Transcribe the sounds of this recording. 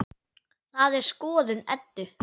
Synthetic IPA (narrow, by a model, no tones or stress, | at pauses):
θaðɛɾ̥skɔːðɪnɛ̰t̪ːʏ